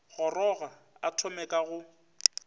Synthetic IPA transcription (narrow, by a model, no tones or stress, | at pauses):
ɣɔrɔɣa | atʰʊmɛkʼaɣʊ